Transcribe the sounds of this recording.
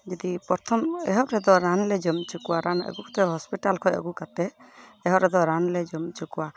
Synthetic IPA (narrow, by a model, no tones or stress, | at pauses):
d͡ʒɔd̪ipɔɾt̪ʰɔmɛɦɔʔɾɛd̪ɔɾanlɛd͡ʒɔmt͡ʃukuwaɾʔanə̰ɡukʰɔ̥t̪ɛɦɔspiʈalkʰɔjə̰ɡukat̪ɛɛɦɔɾɛd̪ɔɾanlɛd͡ʒɔmt͡ʃukuwa